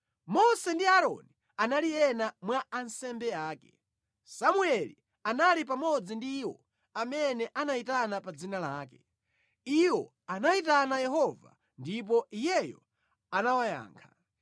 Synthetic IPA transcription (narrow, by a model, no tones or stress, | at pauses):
mɔsɛndiaɾɔ̰ni | analijɛnamwaːnsɛmbɛaːkɛ̰ | samuɛlḭ | analip̬amɔd͡zindiwɔ̰ | amɛnɛʔanaitanapad͡zinalaːkɛ | iwɔ | anaitanajɛɦɔva̰ | ndip̬ɔijɛjɔ̰ | anawaja̰ːŋkʰa